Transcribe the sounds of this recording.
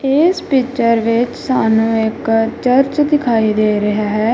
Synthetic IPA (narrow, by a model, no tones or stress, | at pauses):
eːspɪt͡ʃəɾʋɪt͡ʃsaːnũːɪkt͡ʃəɾt͡ʃd̪ɪkʰaːiːd̪eːɾɪɦaːɦɛː